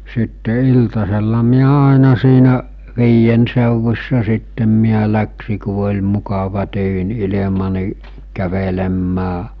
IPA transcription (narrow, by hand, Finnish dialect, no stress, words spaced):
sitːe iltɑselːɑ miæ ɑˑenɑ siːnæʔ ʋiːjen seˑuʋusʲsɑ sitːem miæ læksi ku olʲ mukɑʋɑ tyːn ilemɑ niˑ kæʋelemːæː